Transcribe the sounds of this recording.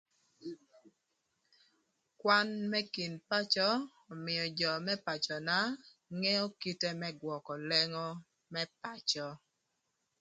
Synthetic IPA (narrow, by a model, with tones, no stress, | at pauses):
kwa˦nmɛ˦ki˨npa˦t͡ʃɔ˦ | ɔ˨mɪ˨jɔ˨d͡ʒɔ˨mɛ˦pa˨t͡ʃɔ˨na˦ | ŋɛ˦ɔ˦ki˦te˦mɛ˦ɡwɔ˨kɔ˨lɛ˦ŋɔ˦ | mɛ˦pa˨t͡ʃɔ˦